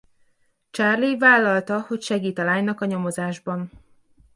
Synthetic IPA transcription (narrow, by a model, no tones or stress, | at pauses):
t͡ʃarlivaːlːɒlt̪ɒho̞cʃɛɡiːt̪ɒlaːɲnɒkɒɲo̞mo̞zaːʒbɒn